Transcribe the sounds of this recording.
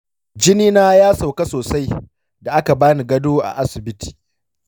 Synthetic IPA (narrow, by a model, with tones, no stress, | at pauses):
d͡ʒɪ˦niː˦naː˦jaː˦sa˨wka˦soː˨sa˦j | da˨ʔa˦ka˨baː˦ni˨ɡɐ˦doː˦ʔa̰˨ʔa˦sɪ˨bɪ˦tʰi̥ː˨